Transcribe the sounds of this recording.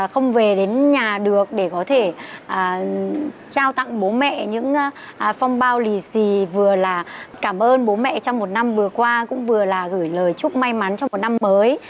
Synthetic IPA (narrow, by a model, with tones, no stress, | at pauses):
xə˧wŋ͡mve˨˩ɗe˨˦nɲaː˨˩ɗɨ˨˩ək̚ɗe˧˩kɔ˨˦t̪ʰe˧˩ʔəː˨˩ | t͡ɕaː˧wt̪a̰˧˨ŋɓo˨˦mɛ̰˧˨ɲɨ̰˧˥ŋ˧˨˩fɔ˧wŋ͡mɓaː˧wli˨˩si˨˩vɨ˨˩əlaː˨˩kaː˧˩mʔəː˧nɓo˨˦mɛ̰˧˨t͡ɕɔ˧wŋ͡mmo˨˩t̚na˧mvɨ˨˩əkwaː˧kʊ̰˧˥ŋ͡mvɨ˨˩əlaː˨˩ɣɨ˧˩jləː˨˩jt͡ɕʊ˦˥k͡p̚ma˧jma˨˦nt͡ɕɔ˧wŋ͡mmo˨˩na˧mːəː˨˦j